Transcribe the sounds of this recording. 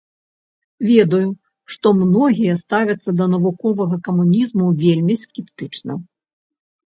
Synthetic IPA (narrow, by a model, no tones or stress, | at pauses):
vʲɛd̪ɐju | ʂt̪ɔmnɔɣʲijɐst̪avʲɐt̪sːɐd̪ɐnɐvukɔvɐɣɐkɐmunʲizmuvʲelʲmʲiskʲɛpt̪ɨt͡ʂnɐ̰